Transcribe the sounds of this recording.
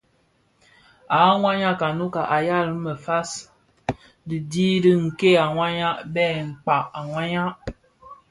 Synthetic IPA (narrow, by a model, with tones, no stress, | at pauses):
a˨˦ŋʷwa˦ɲa˦ka˨nu˦ka˨ʔa˨ja˦˨lmə˨fa˦s | dɨ˨diː˦ɾɨ˦ŋ̩˨ke˦a˨ŋwa˦ɲa˦bɛ˦˨ŋ̩˨k͡pa˨a˨ŋwa˦ɲa˦